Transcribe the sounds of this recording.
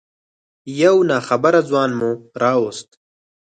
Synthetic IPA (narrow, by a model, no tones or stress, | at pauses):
jawnɑːxabaɾad͡zwɑːnmuɾɑːwost̪